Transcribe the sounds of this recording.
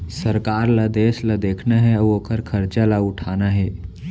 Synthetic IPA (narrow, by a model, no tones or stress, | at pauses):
səɾkaːɾlad̪eːslad̪eːkʰnaɦɛəoːkʰəɾkʰəɾt͡ʃalaʊʈʰanaɦɛː